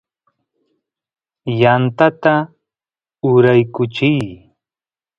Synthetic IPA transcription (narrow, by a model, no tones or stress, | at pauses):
jant̪at̪a | ʊɾajkʊt͡ʃɪj